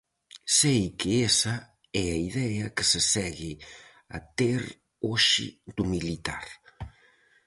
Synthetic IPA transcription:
sejkɪesɐ | ɛɐiðɛɐkɪsɪsɛɣɪ | ɐ̰t̪eɾ | oʃɪ̰d̪umilit̪aɾ

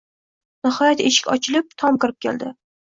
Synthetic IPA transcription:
nɪhɒjat̪eʃɪ̥kʲɒ̰t͡ʃʰɪlɪp̚t̪ʰɒmkɪɾɪp̚kʲʰḛld̪ɪ

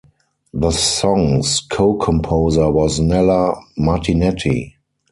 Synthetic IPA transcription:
ðəsɔ̃ŋskʰoʊkʰɔ̃mpʰoʊzə˞wɔznɛləmatʰinɛtʰḭ

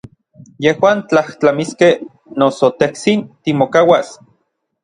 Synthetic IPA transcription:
jehwaːnt͡ɬaht͡ɬamiskeh | nosot̪eht͡sint̪imokawas

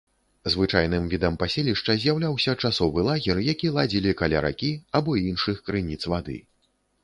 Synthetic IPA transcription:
zvɨt͡ʂajnɨmvʲid̪ɐmpasʲelʲiʂt͡ʂɐzʲjawlʲawsʲɐt͡ʂasɔvɨlˠaɣʲɛrjakʲilˠad͡zʲilʲikalʲa̰ɾa̰kʲiabɔinʂɨxkɾɨnʲit̪svad̪ɨ̰

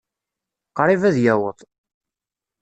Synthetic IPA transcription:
qɾˤivæðjæwəðˤ

